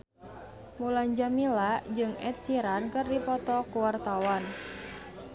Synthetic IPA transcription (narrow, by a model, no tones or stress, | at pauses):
mulaɲd͡ʒamilad͡ʒɨŋɛ̰t̪̚siɾankɨrdipɔt̪ɔkuwart̪awan